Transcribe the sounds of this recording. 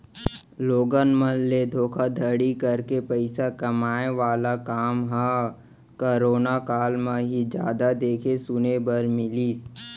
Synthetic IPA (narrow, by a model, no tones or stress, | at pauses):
loːɡənmənled̪ʱoːkʰad̪ʱəɽikəɾkepəɪsakɐmaːeʋaːlakaːmɦã | kəɾoːnakaːlmẽɦid͡ʒaːd̪ad̪eːkʰesʊnebəɾmɪliːs